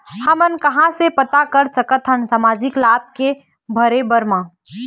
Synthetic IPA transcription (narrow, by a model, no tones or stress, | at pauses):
həmənkɐɦãsepət̪akəɾsəkət̪ʰɦənsaːmaːd͡ʒɪklaːb̚ke | bʱəɾebəɾmã